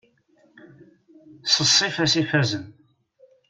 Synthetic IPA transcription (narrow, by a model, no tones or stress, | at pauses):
səsˤːifæsifæzən